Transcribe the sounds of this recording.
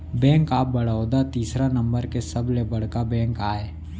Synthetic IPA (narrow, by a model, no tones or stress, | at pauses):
bɛ̃ːŋkaːp̚bɐɽaod̪at̪iːsɾanɐ̃mbəɾkesɐblebɐɽ̤kabɛ̃ːŋkaːeː